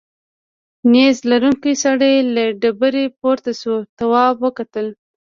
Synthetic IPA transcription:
nezlaɾuŋkisaɽajlaɖabəɾepoɾt̪asot̪awɑbwəkat̪əl

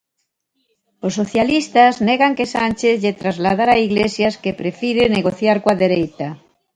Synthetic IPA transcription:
osːoθjalist̪aznɛɣaŋkesanʲt͡ʃeθʎet̪ɾazlað̞aɾaiɣlesjaskepɾefiɾeneɣoθjaɾkwaðeɾejt̪ɐ

